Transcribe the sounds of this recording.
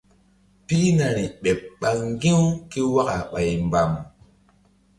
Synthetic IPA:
pi˦na˨ɾi˨ɓe˨p̚ɓa˨ŋɡĩ˦wu˦ki˦wa˦ka˨ɓa˨jmba˨m

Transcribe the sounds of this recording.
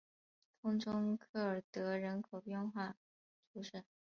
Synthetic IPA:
t̪ʰʊ˥ŋʈ͡ʂʊ˥ŋkʰɤ˥˩ə˞˨˩t̪ɤ˧˥ɻə˧˥nkʰo˨˩ʊpjɛ˥˧nxwa˥˩ | ʈ͡ʂʰu˧˥ʂə˥˩

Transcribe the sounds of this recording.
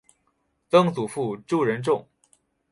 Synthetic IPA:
t̪ɤ˥ŋt͡su˨˩fu˥˧ʈ͡ʂu˥˩ɻə˧˥nʈ͡ʂʊ˥˩ŋ

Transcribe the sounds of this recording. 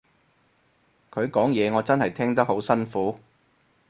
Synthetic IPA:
kʰɵ˨˧ɥkɔː˨˥ŋjɛː˨˧ŋɔː˨˧t͡sɐ˥nhɐ˨˩jt̪ʰɛː˥ŋt̪ɐ˥k̚ho˨˥wsɐ˥nfuː˨˥

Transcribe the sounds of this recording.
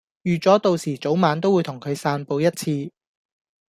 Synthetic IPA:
jyː˨˩t͡sɔː˨˥t̪o˨wsiː˨˩t͡so˨˥wmaː˨˧nt̪̬o˥wuː˨˧jt̪ʰʊ˨˩ŋkʰɵ˨˧ɥsaː˧npo˧wjɐ˥t̚t͡sʰiː˧

